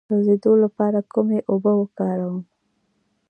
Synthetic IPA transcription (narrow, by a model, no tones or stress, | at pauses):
azed̪olapɑɾakumeʔobəwəkɑɾawəm